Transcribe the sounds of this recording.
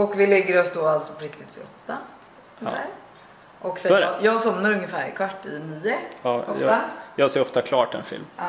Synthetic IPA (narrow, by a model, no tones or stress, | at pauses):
ɔkʋɪlɛɡːəɾɔsd̪oːalt̪sɔpʰɔɾɪkt̪ɪt̪fɪ̰ɔ̰t̪ːa | əfæ̰ːɾ | ʔɔkːsjɑːɡsɔmnaɾɵŋːəfæːɾɪ̰kʰvaʈːɪd̪ɛniːəɔft̪ajɑːɡsɛːɾɔft̪akʰlɑːʈɪɛ̰nfɪ̰lm